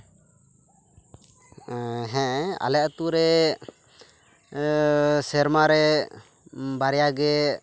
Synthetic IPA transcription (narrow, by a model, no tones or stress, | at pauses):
ɦɛ̃ʔɛa̰lɛʔt̪uɾɛ | sɛɾmaɾɛ | baɾjaɡɛ